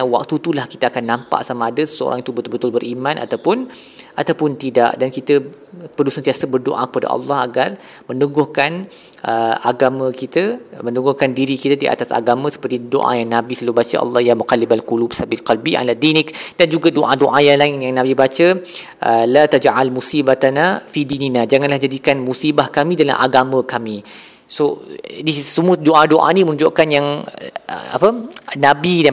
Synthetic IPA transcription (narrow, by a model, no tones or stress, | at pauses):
wa̰k̚t̪ut̪ulahki̥t̪əakanːãmpa̰ʔsamaːdəsə̥səo̰ɾʔa̰ŋit̪ubət̪bət̪ʊlbəɾʔimãnʔa̰t̪awpʊn | ʔat̪awpʊnt̪ida̰ʔdankit̪ə | pəlusənt̪iasəbərdo̰ʔa̰kə̥pada̰ʔɑ̰lːɑhaɡar | mə̃nduɡɔhkan | ʔəaɡamə̃kit̪əmə̃nuɡɔhkandiɾikit̪ədiʔa̰t̪asa̰ɡamə̃sə̥pərt̪ido̰ʔa̰jaŋnãbisalubat͡ʃəʔɑ̰lːɑhjamukalibalkulubsabilkalbia̰ladinɪkd̥and͡ʒuɡadoʔadoʔajaŋlaɪnjaŋnãbibat͡ʃə | ʔəlat̪ad͡ʒʕalmusibat̪anafidininad͡ʒaŋanlahd͡ʒadikanmusibahkamĩdala̰ʔa̰ɡamə̃kami | sodisəmuədoʔadoʔa̰nimənũd͡ʒoʔkanjaŋ̰ | a̰pənabia